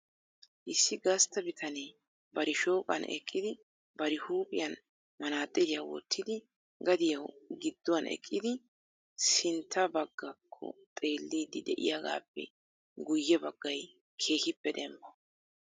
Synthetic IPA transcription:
ʔɪsːɪɡɐst̪ɐbɪt̪ʰɐneː | bɐɾɪʃo̞ːkʼɐ̰nʔɛ̰kʼːɪd̪ɪ | bɐɾɪhuːpʼɪjɐn | mɐnaːt̪ʼːɪlɪjawɔ̰t̪ʰːɪd̪ɪ | ɡɐd̪ɪjɐwɡɪd̪ːʊwɐnʔɛ̰kʼːɪd̪ɪ | sɪnt̪ʰːɐbɐɡːɐkʰːɔ̰t̪ʼe̞ːlːiːd̪ɪd̪ɛʔɪ̰jaɡa̰ːpːɛ̰ | ɡʊjːɛbɐɡːɐj | kʰe̞ːhɪpːɛd̪ɛmbɐ

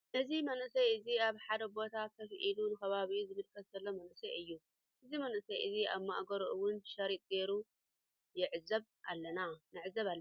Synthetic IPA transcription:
ʔɨzimɐnɨsɐjɨziaβħad̪ɐbo̞t̪ʰak̪ʰɐfɨʔilunɨxɐβaβizɨmɨlkʰɐszɐlːomɐnɨsɐɨjːu | ʔɨzimɐnʔɨsɐjʔɨziaβmaʔɡɐɾʔɨwʊnʃɐɾit̪̚ʼɡeɾu | jɪʕɨzːɐβʔalːɐnanɨʕɨzːɐβalː

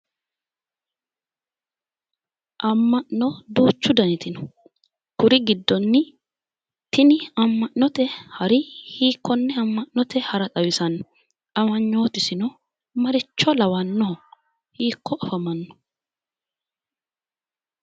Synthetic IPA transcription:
ʔɐmːɐʔnɔd̪uːt͡ʃːʊd̪ɐnɪt̪ɪnɔ̥ | kʊɾɪɡɪd̪ːɔnːɪ | t̪ɪnɪɐmːɐʔnɔt̪ɛhɐɾɪhiːkʰːɔnːɛɐmːɐnnɔt̪ɛhɐɾɐtɐwɪsɐnːɔ | ʔɐmɐɲːo̞ːt̪ɪsɪnɔ | mɐɾɪt͡ʃːɔlɐwɐnːɔɔ | hiːkːɔʔɔfɐmɐnːɔ̥

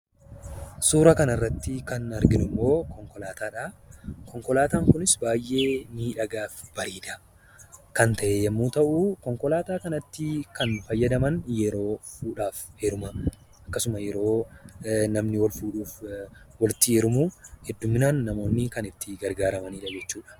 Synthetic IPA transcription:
suːɾɐkɐnɐrːɐt̪ːɪkɐnɐɾɡɪnʊmːo̞ːkɔŋkɔlaːt̪aːᶑaːkɔŋkɔlaːt̪aːŋkʊnɪsbaːjʔe̞ːniːᶑɐɡaːfb̥ɐɾiːd̪ɐ | kɐnt̪ɐʔejɛmːuːt̪ɐʔukɔŋkɔlaːt̪aːkɐnɐt̪ːɪkɐnfɐjːɐd̪ɐmɐnjɛɾo̞ːfuːᶑaːfhɛɾʊmɐ | ɐkːɐsʊmɐjɛɾo̞ː | nɐmnɪwɐlfuːᶑuːfwɐlɪt̪ːɪɛɾʊmuːhɛd̪ːʊmːɪnaːnːɐmo̞ːnːɪkɐnɪt̪ːɪɡɐɾɡaːɾɐmɐniːᶑɐd͡ʒɛt͡ʃːuːᶑɐ̥

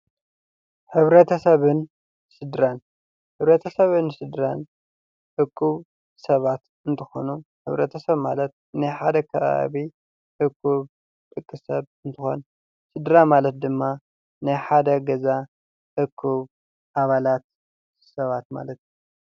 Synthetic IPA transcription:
ħɨβɾɐt̪ʰɐsɐβɨn | sɨd̪ɾan | ħɨβɾɐt̪ʰɐsɐβɨnsɨd̪ɾan | ʔɨkʰːuβ | sɐβat̪ | ɨnt̪ʰɨxo̰nuħɨβɾɐt̪ʰɐsɐβmalɐt̪̚ | najħad̪ɐkʰɐβa̰βi | ʔɨkʰːuβ | t̪ʼɨkʼːɨsɐβɨnt̪ʰɨxo̰n | sɨd̪ɾamalɐt̪̚d̪ɨmːa | najħad̪ɐɡɐza | ʔɨkʰːuβ | ʔaβalat̪̚ | sɐβat̪ma̰lɐt̪ju

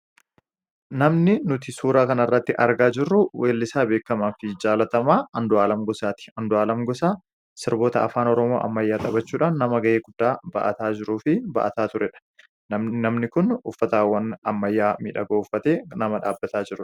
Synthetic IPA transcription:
nɐmnɪnʊt̪ɪsuːɾaːkɐnɐrːɐt̪ːɪʔɐɾɡaːd͡ʒɪrːʊwʔeːlːɪsaːbe̞ːkːɐmaːfɪd͡ʒaːlɐt̪ɐmaːɐnd̪ʊaːlɐmɡɔsaːt̪ɪ̥ɐnd̪ʊaːlɐmɡɔsaː | sɪɾbo̞ːt̪ɐɐ̰faːnɔɾɔmo̞ːʔɐ̰mːɐjːaːt̪ʼɐbɐt͡ʃːuːᶑaːnːɐmɐɡɐʔeːɡʊd̪̥ːaːbɐ̰ʔɐ̰t̪aːd͡ʒɪɾuːfɪbɐ̰ʔɐt̪aːt̪ʊɾʔɛᶑɐ̥ | nɐnɐmnɪkʊnʊfːɐt̪aːwːɐnɐmːɐjːaːmḭːᶑɐɡoːʊfːɐt̪eːnɐmɐᶑa̰ːbːɐt̪aːd͡ʒɪɾʊ

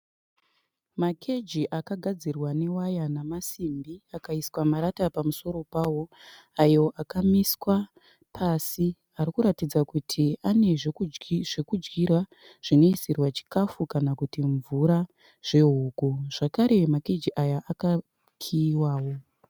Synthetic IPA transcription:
makʰe̞d͡ʒiʔakaɡʱad͡zirwane̞wajanamasimbiakaiswamaɾatapamuso̞ɾo̞paːwo̞ | ajo̞ʔakamiswa | pʰasi | aɾikuɾatid͡zakutʰiane̞ | ʐekud͡ʒɡirwa | ʐ̥ino̞isirwat͡ʃi̥kafukanakutiɱvuɾa | ʐ̥e̞ɦuːɡuʐ̥akaɾemake̞d͡ʒiʔajaʔaka | kʰiːwaːwo̞

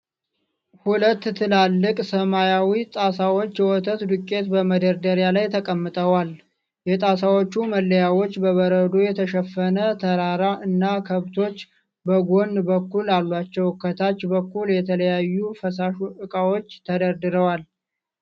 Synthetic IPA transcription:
hulət̪ːt̪ʰɨlalːɨkʼsəmajawit̪ʼasawo̞t͡ʃːjɛwɔt̪ʰət̪d̪ukʼːe̞t̪bəməd̪əɾd̪əɾjalajt̪ʰəkʼəmːɨt̪ʼəwal | jɛt̪ʼasawot͡ʃːuməlːəjawo̞t͡ʃːbəβəɾəd̪o̞jɛt̪ʰəʃɛfːənət̪ʰəɾaɾaʔɨnːakʰəβt̪ʰo̞t͡ʃː | bəɡo̞nbəkːulalːat͡ʃːɛwkʰːət̪ʰat͡ʃːbəkːuljɛt̪ʰələjajːufəsaʃuʔɨkʼawot͡ʃːt̪ʰəd̪əɾd̪ɨɾəwal

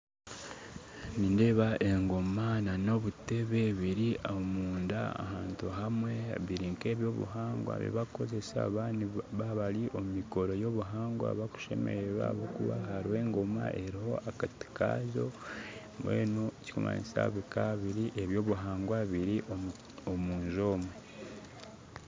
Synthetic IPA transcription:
ninde̞βaʔe̞ŋɡo̞manano̞βute̞βeβiɾiaomuːnda̰a̰haːntuɦamwe̞βiɾiŋke̞βjo̞βṵɦaːŋɡwa̰βḭβako̞ze̞sa̰βaːniβaβaliʔo̞mmiko̞ɾo̞jo̞βuɦaːŋɡwa̰βaku̥ʃe̞̰me̞̰ɾeɾwa̰βokuβa̰ɦaɾiwe̞ːŋɡoma̰ʔe̞ɾiho̞akati̥ka̰ʒo̞ | mwḛːnoci̥ko̰ma̰ɲisa̰βikaβiɾiʔe̞βjo̞ːβuɦaːŋɡwaβiɾiʔo | omuːnʒo̞ːmwe

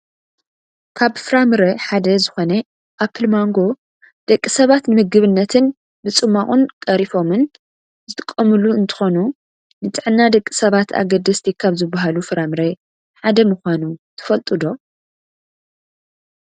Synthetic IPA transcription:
kʰaβfɨɾamɨɾeħad̪ɐzɨxo̞nɐ | ʔapʰɨlmaŋɡo̞ | d̪̥ɐkʼːisɐβat̪nɨmɨɡɨβɨnːɐt̪ʰɨn | bɨt͡sʼɨmːaχʼunkʼɐɾifo̞mɨn | zɨt̪ʰʼɨ̥kʼːɐmɨluɨnt̪ʰɨ̥xo̞nu | nɨt̪ʼɨʕɨnːad̪ɐkʼːisɐβat̪ʰa̰ɡɐd̪ːɐst̪ʰikʰaβzɨbaɦalufɨɾamɨɾe | ħad̪ɐmɨxʷanut̪ʰɨ̥fɐlt̪ʼɨd̪o̞

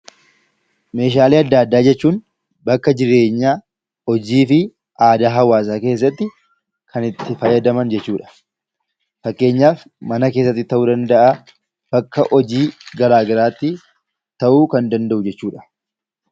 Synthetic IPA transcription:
me̞ːʃ̬aːliːɐd̪ːaːd̪ːaːd͡ʒɛt͡ʃːuːn | bɐkːɐd͡ʒɪɾe̞ːɲːaː | ɔd͡ʒiːfɪ | aːd̪aːɦɐwaːs̬aːke̞ːs̬ːɐt̪ːɪ | kʰɐnɪt̪ːɪfɐjːɐd̪ɐmɐnd͡ʒɛt͡ʃːuːᶑɐ̥ | fɐkːe̞ːɲːaːf | mɐnɐke̞ːsːɐt̪ːɪt̪ːɐʔuːd̪ɐnd̪ɐʔaː | b̥ɐkːɐʔɔd͡ʒiːɡɐɾaːɡɐɾaːt̪ːɪ | t̪ɐʔuːkɐnd̪ɐnd̪ɐʔʊd͡ʒɛt͡ʃːuːᶑɐ̥

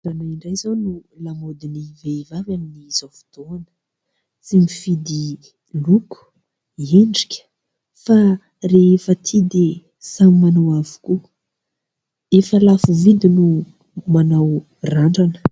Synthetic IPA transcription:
anaiɳɖ͡ʐajzawnulamod̪inivevavaminiz̥ofu̥t̪oanə̥ | t͡simifid̪i | luku̥ | eɳɖ͡ʐi̥kʲə̥ | fa | refət̪ʰid̪e | samimanawavu̥ku | efəlafuvid̪inu | manaw | raɳɖ͡ʐanə̥

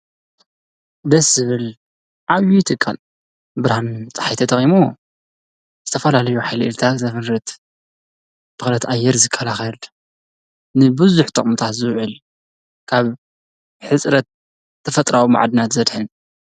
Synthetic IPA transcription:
d̪ɐszɨβɨl | ʕaβjit̪ʰʼɨkʼːa̰l | bɨɾhant͡sʼɐ̥ħajt̪ʰɐt̪ʼɐχʼimo | z̥ɨt̪ʰɐfɐlalɐjuħajlʔɨlt̪ʰazɐfɨnɾɨt̪ | b̥ɨxlɐt̪ʔajːɛɾzɨkʰːɐlaxɐl | nɨbɨzuħt̪ʰʼɐχʼmɨt̪ʰat̪zɨwʕɨl | kʰaβ | ħɨt͡sʼɾɐt̪̚ | t̪ʰːɐfɐt̪ʼɾawma̰ʕd̪ɨnat̪zɐd̪ħɨn

